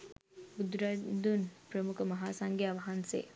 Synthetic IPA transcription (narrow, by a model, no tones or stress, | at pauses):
bud̪ɾajd̪unpɾəmukʰəmɐɦaːsaŋɡjaʋɐɦansḛ